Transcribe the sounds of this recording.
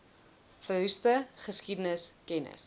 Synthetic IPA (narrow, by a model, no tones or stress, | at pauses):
fəɦystəχəskidənəskɛnə̰s